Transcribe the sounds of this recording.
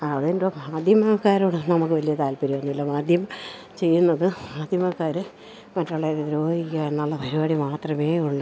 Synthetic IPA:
ɐðendomaːd̪ʱjɐmɐkːaːɾoːɳɨnɐmukːɨʋɐlijɐt̪aːlpɐɾiʋɐnːuʋilːɐmaːd̪ʱjɐmɐ | t͡ɕe̞jːunːɐðɨmaːd̪ʱjɐmɐkːaːɾɨ | mɐtːoɭːeɾo̞ːhikʲːajenːɐɭːɐbʱɐɾubaːɽimaːt̪rɐme̞ːuɭːɐ

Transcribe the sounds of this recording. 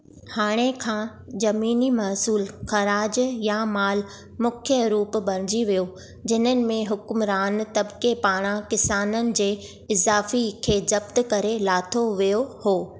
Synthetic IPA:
haːɽ̃ekʰãː | zɐmiːnimɐːsuːlxɐɾaːd͡ʑjamaːl | mʊkʰjəɾuːp̆bɐɾ̤̃ɪd͡ʑiʋijo | d͡ʑɪnənɪ̆mẽɦʊkmɾaːnt̪ɐbkepaːɽ̃ãkɪsaːnənɪ̆d͡ʑeː | ɪzaːfikʰeːzɐbt̪kɐɾelaːt̪ʰoʋijohoː

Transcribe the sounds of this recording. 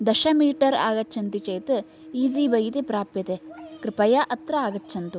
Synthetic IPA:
d̪ɐʃɐmiːʈɐɾa̰ːɡɐt͡ʃʰɐnt̪it͡ʃɐjt̪ɨ | iːziːbɐjit̪epɾaːpjɐt̪ekɾɪpɐjɐʔɐt̪ɾɐaːɡɐtːt͡ʃʰɐnt̪u

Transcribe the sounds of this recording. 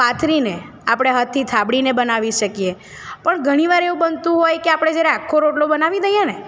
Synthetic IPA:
at̪ʰɾine | apɽ̃eɦət̪ʰːit̪ʰabɽinebənaʋiʃəkije | pəɳɡʱəɽ̃iʋaɾeʋũbənt̪ũɦojkeapɽ̃ed͡ʒaɾeakʰːoɾoʈlobənaʋid̪əjane

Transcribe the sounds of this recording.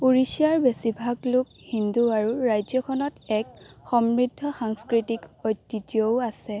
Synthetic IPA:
uɹisijaɹbesibʱaɡlʊk | hinduaɹuɹajzjɔkʰɔnɔtɛkxɔmɹidʱːɔxaŋskɹitikɔjtːitioʊasɛ

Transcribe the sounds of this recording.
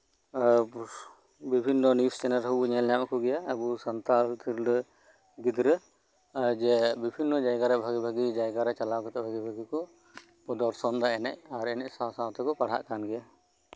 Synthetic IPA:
bibʱinːɔnist͡ʃɛnaɾɦɔbuɲɛljamakʰuɡɛjaːbusant̪alt̪ʰiɾɖə | ɡid̪ɾə | d͡ʒɛbibʱinːɔd͡ʒajɡaɾɛbʱaɡibʱaɡid͡ʒajɡaɾɛt͡ʃalakɔt̪ɛbʱaɡibʱaɡikɔ | pɔd̪ɔɾsɔnd̪aɛnɛ̰c̚aɾɛnɛʔsawsawt̪ɛkɔpaɽ̤ɦa̰ʔkanɡɛja

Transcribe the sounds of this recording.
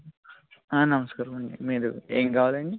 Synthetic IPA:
aːnɐmɐskaːɾɐmɐɳɖḭmiːɾueːŋkaːʋaːlɐɳɖi

